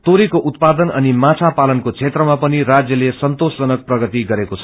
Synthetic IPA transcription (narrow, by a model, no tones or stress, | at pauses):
t̪oɾikoʔut̪̚pad̪ʌnʌnimãt͡sʰapalʌnkot͡sʰet̪rʌmapʌniɾad͡zjʌlesʌnt̪osd͡zʌnʌk̚prʌɡʌt̪iɡʌɾekot͡sʰʌ̥